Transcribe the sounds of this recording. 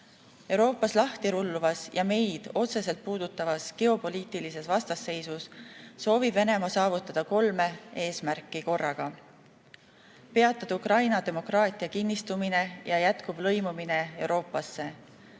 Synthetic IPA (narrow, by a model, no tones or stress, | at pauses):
e̞wɾo̞ːpːˑɑslɑht̪iɾulːuvɑsjɑme̞jd̪̥o̞t̪se̞se̞lt̪̚puːd̪̥ut̪ːˑɑvɑsɡ̥e̞o̞po̞liːt̪ilise̞svɑst̪ɑsːe̞jsusːo̞ːvib̥ve̞ne̞mɑsɑːvut̪ːˑɑd̪̥ɑko̞lme̞e̞ːsmærkːˑiko̞rːɑɡ̥ɑ | pe̞ɑt̪ːˑɑd̪̥ukɾɑjnɑd̪e̞mo̞krɑːt̪ˑiɑkinːist̪umine̞jɑjæt̪kub̥lɤ̞jmumine̞e̞wɾʔo̞ːpːˑɑsːe̞